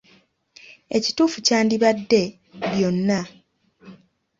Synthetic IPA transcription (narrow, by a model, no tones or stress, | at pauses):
e̞̰ci̥tuːfucaːndiβadːe̞ | βjo̞nːa